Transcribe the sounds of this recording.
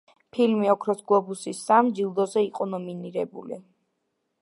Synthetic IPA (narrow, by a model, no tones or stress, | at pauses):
pʰilmiɔkʰɾɔsɡlˠɔbusisːamd͡ʒilˠd̪ɔzɛiqʼɔnɔminiɾɛbṵli